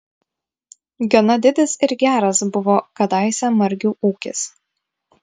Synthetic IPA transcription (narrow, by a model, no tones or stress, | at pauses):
ɡʲonɐd̪ʲɪd̪ʲɪsɪɾɡʲæːɾɐsbʊʋoːkɐd̪ɑɪsʲæmɐɾʲɡʲuːʔuːkʲɪs